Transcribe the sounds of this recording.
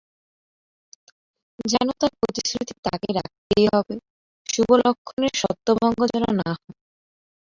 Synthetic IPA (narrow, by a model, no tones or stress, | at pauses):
d͡ʑɛnot̪aɾpɾot̪iskɾut̪ʰit̪akeɾa̰k̚t̪ejɦɔbe | ʃubolokʰːoneɾʃɔt̪ːobʱɔŋɡod͡ʑɔnonaɦɔ